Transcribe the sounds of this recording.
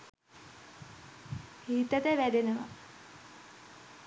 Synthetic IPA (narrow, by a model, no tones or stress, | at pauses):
hiːt̪ət̪əʋæd̪enəʋa̰